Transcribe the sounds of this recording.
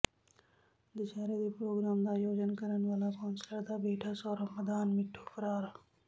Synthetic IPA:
d̪ɪʃaːɾed̪epɾoːɡɾaːmd̪ajoːd͡ʒənkəɾənʋaːlakɔːnsləɾd̪abeːʈʰasɔːɾəməd̪aːnmɪʈʰːu̥pəɾaːɾa

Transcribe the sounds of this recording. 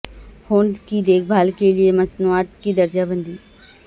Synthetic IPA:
fʰoːɳɖkiːd̪eːk̚ʰbʱaːlkelieməsnuaːt̪kiːd̪əɾd͡ʒabə̃nd̪iː

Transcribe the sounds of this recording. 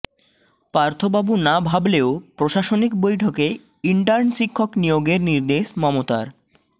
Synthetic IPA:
paɾt̪ʰobabunabʱableopɾoʃaʃonikbojʈʰoke | iɳʈaɾnʃikʰːoknijoɡeɾniɾd̪eʃmɔmot̪a̰ɾ

